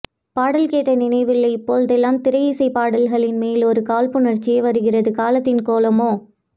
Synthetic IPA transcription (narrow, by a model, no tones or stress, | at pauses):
paːɽɐlkeːʈːɐnɪnɐɪʋɪlːɐɪpːoːld̪ɛlːaːmt̪ɪɾɐjɪsɐɪpaːɽɐlɣɐɭɪnmeːlɔɾɯkaːlpɯnɐrt͡ʃːɪjɐɪʋɐɾɯɣɪrɐðɯkaːlɐt̪ːɪnkoːlɐmoː